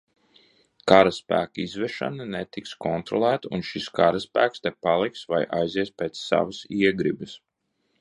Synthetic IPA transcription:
kaɾaspæ̰ːkizvɛʃa̰nanɛt̪ikskɔnt̪ɾɔlˠæːt̪unʃiskaɾɐspæːkst̪ɛpalˠiksvajʔajziɛspʲeːt̪sːa̰vəsiɛɡɾibɨs

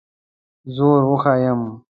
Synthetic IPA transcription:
zoːɾoxaːjəm

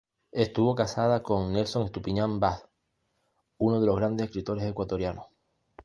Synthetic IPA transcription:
e̞st̪uβo̞kasað̞ako̞ŋne̞lso̞ŋest̪upiɲãmbaθ | uno̞ð̞elo̞ɣɾand̪esekɾit̪o̞ɾe̞se̞kwat̪o̞ɾjanoh

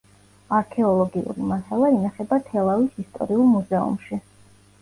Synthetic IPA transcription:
aɾkʰɛɔlˠɔɡiṵɾimahɛlˠainaχɛbat̪ʰɛlˠavisist̪ʼɔ̰ɾiulˠmuzɛṵmʃi

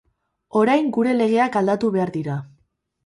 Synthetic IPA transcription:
o̞ɾajŋɡuɾe̞le̞ɣ̞e̞akald̪at̪uβe̞aɾðiɾa

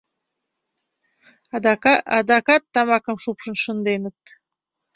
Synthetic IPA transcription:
ɑd̪ɑkɑt̪ːɑmɑkəmʃupʃə̆nʃə̆nd̪enə̆t̪̚

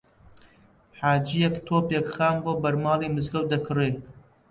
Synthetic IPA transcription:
ħaːd͡ʒijɛkt̪ʰoːpjekxaːmbobɐɾmɑːliːmɨzɡɐwd̪ɐkʰɨɾeː

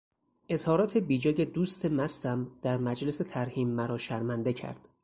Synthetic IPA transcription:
ʔe̞zhɒːɾɒːt̪ʰe̞biːd͡ʒɒːje̞d̪uːst̪ʰe̞mæst̪æmd̪̥æɾmæd͡ʒlese̞t̪ʰæɾhiːmːæɾɒːʃæɾmænd̪e̞cʰæ̰ɾd̪̥

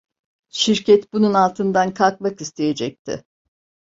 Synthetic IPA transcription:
ʃiɾcʰɛt̪bununalˠt̪ʰɯnd̪ankʰalˠkmakist̪ʰe̞je̞d͡ʒɛc̚t̪ʰɪ̰

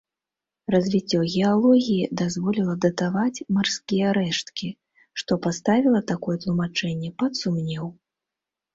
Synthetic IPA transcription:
rɐzʲvʲit͡sʲːɔɣʲɛalˠɔɣʲijid̪azvɔlʲilˠɐd̪ɐt̪avat͡sʲmarskʲijɛɾɛʂt̪kʲi | ʂt̪ɔpast̪avʲilˠɐt̪akɔjɛt̪lˠumat͡ʂɛnʲːɛpɐt̪sumnʲɛw

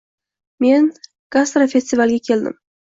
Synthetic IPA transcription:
me̞n | ɡ̥ast̪ɾafe̞st̪ivalˠɡʲakʲʰe̞ld̪ɪ̰m

